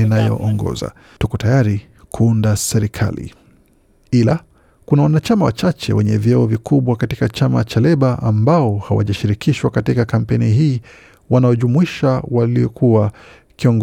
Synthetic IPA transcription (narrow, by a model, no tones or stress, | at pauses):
inajɔ̰ʔɔŋɡɔ̰za̰ | tukɔtajaɾi | kʰuundasɛɾikʰa̰lḭ | ila | kunawanat͡ʃamawat͡ʃat͡ʃɛ̰wɛɲɛvjɛɔvikuɓwakatikat͡ʃama̰t͡ʃalɛɓaʔambaɔhawa̰ʄaʃiɾikiʃwakatikakam̩pɛniɦiː | wanaɔʄumuiʃawaliɔkʰuwa | kiɔŋɡ